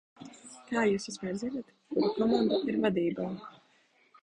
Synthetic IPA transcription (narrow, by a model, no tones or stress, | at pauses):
kaːjuːsuzmʲɛːɾzinat̪ | kud̪akɔmand̪aiɾvad̪iːbaː